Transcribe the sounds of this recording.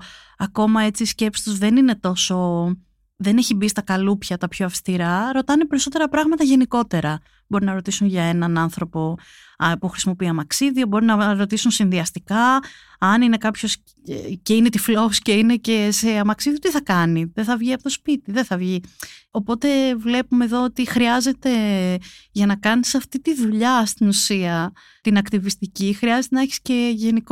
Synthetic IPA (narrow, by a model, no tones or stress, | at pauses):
ɐko̞mɐe̞t͡sisce̞pst̪ozðe̞nine̞t̪o̞so̞ | ðe̞ne̞çibist̪ɐkɐlupçɐt̪ɐpçoɐfst̪iɾɐɾo̞t̪ɐnepe̞ɾiso̞t̪e̞ɾɐpɾɐɣmɐt̪ɐʝe̞niko̞t̪e̞ɾɐ | bo̞ɾinɐɾo̞t̪isunʝɐenɐnɐnθɾo̞po̞ | puxɾi̥simo̞piɐmɐksiðio̞bo̞ɾinɐɾo̞t̪isunsinðiɐst̪ikɐː | nine̞kɐpço̞s | ece̞ine̞t̪iflousce̞ine̞ce̞se̞ɐmɐksiðiot̪iθɐkɐniðeθɐvʝiɐpot̪ospit̪iðeθɐvʝio̞po̞t̪e̞vle̞pumeːðo̞ot̪ixɾiɐze̞t̪e̞ | ʝɐnɐkɐnisɐft̪it̪iðuʎɐst̪inusiɐ | t̪inɐkt̪ivist̪icixɾiɐzet̪enɐeçi̥sce̞ʝe̞nik